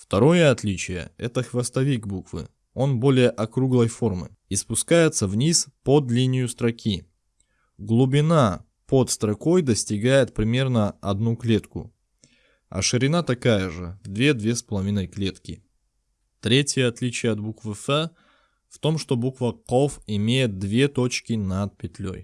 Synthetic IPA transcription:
ft̪ɐɾo̞jəɐt̪lʲit͡ɕɪjə̰ɛt̪əxvɐst̪ɐvʲikbukvɨ̰ | o̞nbo̞lʲɪjəʔɐkɾuɡlˠəjfo̞rmɨ̰ | ispʊskajɪt̪səvnʲispod̪lʲinʲɪjʊst̪ɾɐkʲi | ɡlˠʊbʲɪna | pot̪st̪ɾɐko̞jd̪əsʲtʲɪɡajɪt̪̚pɾʲɪmʲe̞rnəɐd̪nuklʲe̞t̪kʊ̰ | ɐ̰ʂɨɾʲɪnat̪ɐkajəʐɨd̪vʲed̪vʲe̞spəlˠɐvʲinəjklʲe̞t̪kʲɪ | t̪ɾʲetʲjəɐt̪lʲit͡ɕɪjəɐt̪̚bukvɨfɛ | ft̪o̞mʂt̪o̞bukvəqofɪmʲejɪt̪̚d̪vʲe̞t̪o̞t͡ɕkʲɪnat̪̚pʲɪt̪ʲlʲo̰j

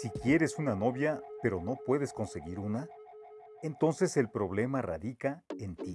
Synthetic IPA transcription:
sikje̞ɾe̞sunano̞βjape̞ɾo̞no̞pwe̞ðe̞sko̞nse̞ɣiɾuna | e̞nt̪o̞nse̞se̞lpɾo̞βle̞mara̰ðikaent̪i

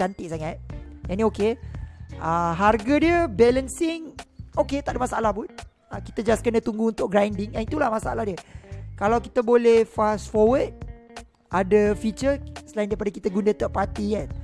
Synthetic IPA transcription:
ant̪ɪʔ̚saŋat̪̚janĩoke | əɦarɡadiəbɛlənsɪŋoket̪aʔdəmasaalahpʊn | akit̪ad͡ʒaaskənət̪uŋɡuunt̪ʊʔ̚ɡɾajndɪŋɛnit̪ulahmasaalahdiəkalawkit̪abolɛhfasfɔwəd̚ | ʔadəfit͡ʃəsəlajɪndaipadakit̪aɡundət̪ɔʔ̚pat̪ikan

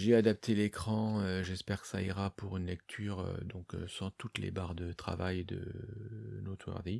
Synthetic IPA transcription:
ʒead̪ap̚t̪ʰelekχɑ̃øʒɛspɛʁkə̥saiʁapuʁynlɛk̚t̪ʰyːʁø̰d̪ɔ̃kø̰sɑ̃t̪ut̪lḛbaʁd̪ət̪χa̰vajd̪ə̰ | not̪ʰwɛ̰ʁd̪e

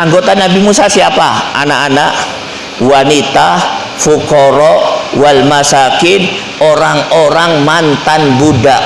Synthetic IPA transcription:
ʔaŋɡot̪anabimusasiapaa̰naʔanaʔ | wanit̪a | fukɔɾɔwalmasakɪn | oɾaŋoɾaŋmant̪anbudaʔ

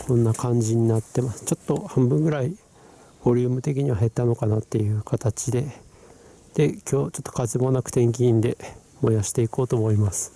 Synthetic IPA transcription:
kõ̞nːakãɲ̟d͡ʑiɲ̟inat̪ːe̞masɨ̥t͡ɕo̞t̪ːo̞hãmbɯ̟̃ŋɡɯ̟ɾai | b̥o̞ɾʲɯ̟ːmɯ̟t̪e̞kʲiɲ̟iβaɦe̞t̪ːano̞kanat̪ːe̞jɯ̟ːkat̪at͡ɕid̪e̞ | d̪̥e̞kʲo̞ːt͡ɕo̞t̪ːokazemonakɯ̟̥t̪ẽ̞ŋk̬ʲĩːnd̪e̞ | mo̞jaɕi̥t̪e̞iko̞ːt̪o̞ːmo̞imasɨ̥

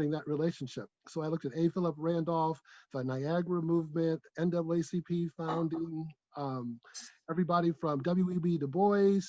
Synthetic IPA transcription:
ɾɪ̃ŋðəʔ̚ɹileɪʃɨ̃n̩ʃɪ̰p̚soʊaɪlʊk̚tɨɾeɪfɪlˠəpɹæ̃ndɔlˠfðənaɪæɡɹəmuvmɨ̃nɛ̃ndʌbl̩ˠeɪsipʰifãʊ̃ndiɪ̃ŋ | ɛvɹibɑɾifɹʌ̃mdʌbl̩ˠjʉibiɾɨbɔɪz̥

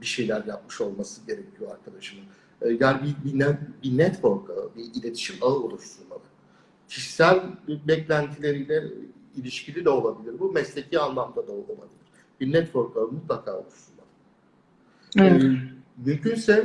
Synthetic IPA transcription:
biʃe̞jlʲæɾjap̚mɯʃo̞lˠmasɯɟe̞ɾecʰijo̞aɾkʰad̪aʃɯmɯnː | janbibinɛbinɛt̪bo̞ɾkʰaɯbiilʲe̞t̪ʰi̥ʃimaɯolˠuʃt̪ulːa̰lˠɯ | cʰiʃi̥sælʲbɛclʲænt̪ʰilʲe̞ɾijlʲɛ | ilʲiʃcilʲid̪ɛo̞lˠabilʲiɾbumɛslʲe̞cʰiːanlˠamd̪ad̪aolˠamad̪ilˠɯɾ̥ | b̥inɛt̪bo̞ɾk̪aɯmut̪lˠakʰa̰ːolˠuʃt̪ulːˠalˠɯ | mymcʰynsɛ

